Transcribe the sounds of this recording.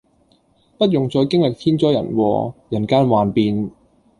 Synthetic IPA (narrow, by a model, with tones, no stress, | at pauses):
pɐ˥t̚jʊ˨ŋt͡sɔː˧jkɪ˥ŋlɪ˨k̚t̪ʰiː˥nt͡sɔː˥jɐ̰˨˩nwɔ̰ː˧jɐ˨˩nkaː˥nwaː˨npiː˨˧n